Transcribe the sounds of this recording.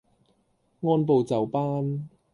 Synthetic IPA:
ŋɔː˧˥np̬o˨wt͡sɐ˨wpaː˥n

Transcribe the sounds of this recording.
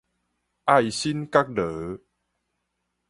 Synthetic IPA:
ʔa˥˧jɕi˦nka˦˥k̚ɖə˨˦

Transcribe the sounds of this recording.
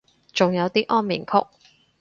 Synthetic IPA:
t͡sʊ˨ŋjɐ˨˧wt̪iː˥ʔɔː˥nmḭ˨˩ŋkʰʊ̰˥k̚

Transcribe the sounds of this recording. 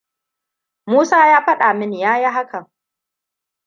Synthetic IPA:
muː˦saː˦jaː˦ɸɐ˦ɗa˨mɪ˦njaː˦ji˦ɦa˦kɐ˨

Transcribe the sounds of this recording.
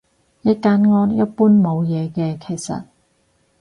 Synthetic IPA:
jɐ˥kaː˨˥nŋɔː˥njɐ˦˥t̚puː˥nmo˨˧wjɛː˨˧kɛː˧kʰe˨˩jsɐ̰˨t̚

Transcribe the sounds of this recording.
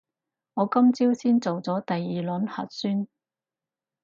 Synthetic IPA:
ŋɔː˨˧kɐ˥mt͡siː˥wsiː˥nt͡so˨wt͡sɔː˨˥t̪ɐ˨jiː˨˩lɵ˨˥nhɐ̰˨t̚syː˥n

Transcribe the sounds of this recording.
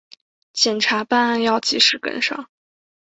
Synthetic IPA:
t͡ɕjɛ˨˩nʈ͡ʂʰa˧˥pa˥˧na˥˧njɑ˥˧ʊt͡ɕi˧˥ʂɻ̩˨˩kə̰˥nʂɑ̰˥˩˦ŋ

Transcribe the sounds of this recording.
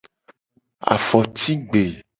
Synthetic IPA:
a̰˨fɔ˨t̪i˦ɡ͡be˨

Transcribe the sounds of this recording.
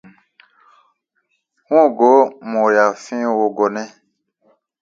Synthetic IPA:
ŋɔ̃˦˨ɡo˨˦mɔ̃˨ja˨fĩ˦wo˨ɡɔ˨nɛ̃˦

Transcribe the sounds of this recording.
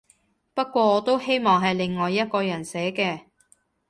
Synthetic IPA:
pɐ˥t̚kʷɔː˧ɔː˨˧t̪o˥whe˥jmɔː˨ŋɦɐ˨jlɪ˨ŋːɔː˨jːɐ˥t̚kɔː˧jɐ˨˩nsɛː˨˥kɛː˧

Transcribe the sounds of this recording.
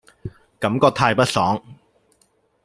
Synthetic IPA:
kɐ˨˥mkɔː˧t̪ʰaː˧jpɐ˥t̚sɔː˨˥ŋ

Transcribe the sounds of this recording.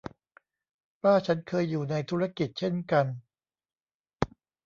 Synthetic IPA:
waː˥˩t͡ɕʰa˦˥nkʰɤː˧jːuː˨˩na˧jt̪ʰuː˦˥ɾa˥ki˨˩t̪̚t͡ɕʰe˥˩nka˧n

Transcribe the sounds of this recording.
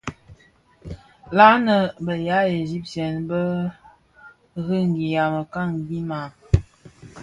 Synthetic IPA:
la˦nə˨bə˨ja˨˦e˨zi˦p̚tjɛ˨nbə˦ | ɣə˦ŋ˨ɡi˨ja˨mə˨ka˦˨ŋɡi˦ma˨

